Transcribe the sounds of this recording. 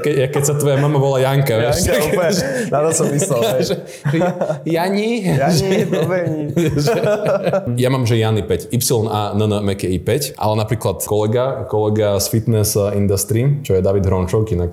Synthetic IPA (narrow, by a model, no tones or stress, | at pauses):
kɛakɛcsat̪ʋɔjamamaʋɔlajaŋkaɛt̪akʒɛnat̪ɔsɔmːislɛlʒɛ | pɾijaɲiʒɛ | ʒɛ | jamaːmʒɛjanipɛcipsilɔnanənmɛkɛipɛcʔa̰lɛnapɾiːklat̪kɔlɛɡakɔlɛɡasfit̪nɛsind̪ast̪ɾiːmt͡ʃɔjɛd̪aʋid̪ɦɾɔnt͡ʃɔʊkinak